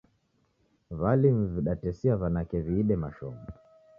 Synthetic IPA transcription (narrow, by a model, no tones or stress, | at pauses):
valim̩viɗatɛsiavanakɛviːɗɛmaʃɔ̰mu